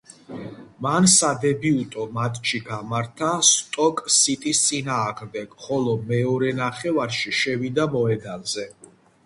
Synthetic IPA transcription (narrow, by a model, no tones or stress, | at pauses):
mansad̪ɛbiut̪ʼɔmat̪ʼt͡ʃʰiɡamaɾt̪ʰast̪ʼɔkʼsit̪ʼist̪sʼinaːʁmd̪ɛɡ̥χɔlɔmɛɔɾɛnaχɛvaɾʃiʃɛvid̪amɔɛd̪alzɛ